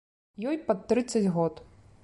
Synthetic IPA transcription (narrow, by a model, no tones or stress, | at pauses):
jɔjpɐt̪ːɾɨt̪sːɐt͡sʲɣɔt̪